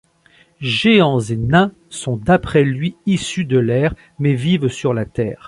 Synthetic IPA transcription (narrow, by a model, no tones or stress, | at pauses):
ʒeɑ̃zenɛ̃ | sɔ̃d̪apχɛlɥiisyd̪əlɛːʁ | mɛvivsyʁlat̪ɛ̰ːʁ